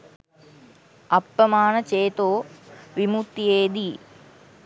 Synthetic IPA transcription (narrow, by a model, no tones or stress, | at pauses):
ɐpːɐmaːnɐt͡ʃeːt̪oːʋimut̪ːijeːd̪i